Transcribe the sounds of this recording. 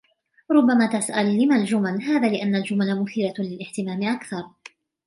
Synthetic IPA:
ɾˤʊbːamaːt̪asʔalːɪmald͡ʒʊmalɦaːðaːlɪʔanːald͡ʒʊmalamʊθiːlalɪlɪħt̪ɪmaːmɪʔakθɑɾˤ

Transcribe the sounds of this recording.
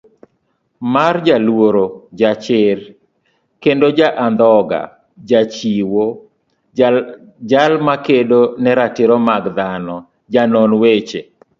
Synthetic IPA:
mard͡ʒalwoɾod͡ʒat͡ʃɪr | kendod͡ʒaʔand̪ɔɡa̰ | d͡ʒat͡ʃiwo | d͡ʒalmakedonɛɾatɪɾɔmaɡd̪anɔ | d͡ʒanɔnwet͡ʃe

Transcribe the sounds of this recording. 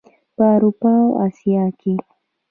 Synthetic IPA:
paɾʊpawa̰sjakɪ

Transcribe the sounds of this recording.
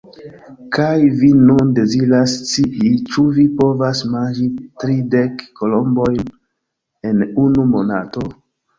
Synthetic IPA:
kajvinunde̞ziɾast͡siit͡ʃuvipo̞vasmand͡ʒitɾidekːolo̞mbojn | e̞nunumo̰na̰to̞

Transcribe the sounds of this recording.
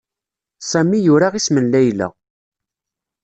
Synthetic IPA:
sˤæmijʊɾaʁismənlæjlæ̰

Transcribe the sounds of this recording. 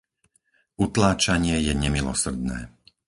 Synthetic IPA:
ut̪laːt͡ʃaɲɪɛjɛɲɛmilɔ̰sr̩d̪̚nɛ̰ː

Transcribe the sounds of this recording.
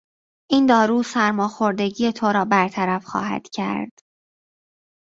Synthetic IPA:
ʔiːnd̪ɒːɾuːsæɾmɒːxo̞ɾd̪e̞ɟije̞t̪ʰoɾɒːbæɾt̪ʰæɾæfxɒ̰ːɦæ̰d̪̥cʰæ̰ɾd̪̥

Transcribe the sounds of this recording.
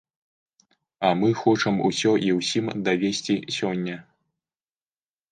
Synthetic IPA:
ɐmɨxɔt͡ʂɐmṵsʲɔʔiwsʲimd̪avʲesʲt͡sʲisʲɔnʲːɐ

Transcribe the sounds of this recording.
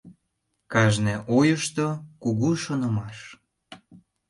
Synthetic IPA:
kɑʒneʔojəʃt̪okuɣuʃonə̆mɑʃ

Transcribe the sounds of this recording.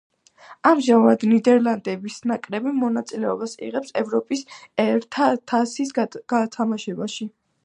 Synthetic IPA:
amʒamvad̪nid̪ɛɾlˠand̪ɛbisnakʼɾɛbimɔnat̪sʼilɛɔbasḭʁɛpsɛvɾɔpʼisɛɾt̪ʰat̪ʰasisɡ̥at̪ʰamaʃɛbaʃi

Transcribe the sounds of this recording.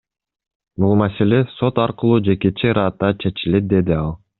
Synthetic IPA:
bulˠmase̞le̞so̞t̪ɑɾqɯlˠuːd͡ʒe̞ke̞t͡ʃeɾɑːt̪ːɑt͡ʃʰe̞t͡ʃile̞t̪̚d̪e̞d̪iɑlˠ

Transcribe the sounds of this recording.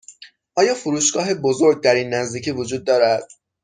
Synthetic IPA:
ʔɒːjɒːfuɾuːʃɡ̥ɒːɦe̞bozo̞ɾɡ̚d̪æɾiːnːæzd̪iːcʰiːvod͡ʒuːd̪̚ːɒːɾæd̪̥̚

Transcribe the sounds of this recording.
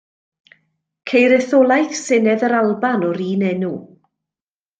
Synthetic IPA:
kʰejɾɛθɔlˠajθsɪnɛðəɾalˠbanɔɾiːnɛnu

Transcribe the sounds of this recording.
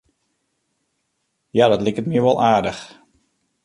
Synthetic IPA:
jadɑtlɪkətmiəʋɔlˠʔaːɹdəx

